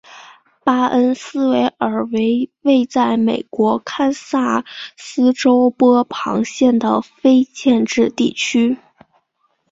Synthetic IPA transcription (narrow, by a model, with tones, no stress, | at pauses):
pa˥ʔə˥nsɹ̩˥we˧˥ɪʔə˞˨˩we˧˥ɪwe˥˧ɪt͡sa˥˩ɪme˨˩ɪkwɔ˧˥kʰa˥nsa˥˩sɹ̩˥ʈ͡ʂo˥ʊpɔ˥pʰɑ̰˧˥ŋɕjɛ˥˩nd̪ə˩fe˥ɪt͡ɕjɛ˥˧nʈ͡ʂɻ̩˥˧t̪i˥˩t͡ɕʰy˥